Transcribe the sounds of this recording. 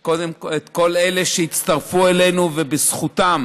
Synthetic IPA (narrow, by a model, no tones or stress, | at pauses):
kodemkoet̪ko̞leleʃeit̪t͡st̪ɐʁfuelenuvebesχut̪am